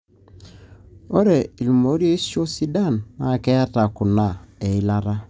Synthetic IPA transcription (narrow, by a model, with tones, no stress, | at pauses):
o˦ɾe˨i˨lu˨mo˨˦ɾi˦e˦si˦o˦si˦da˦˨nːa˨kɛ˦ja˦ta˨kʊ˨na˦˨e˨i˦la˦ɾa˦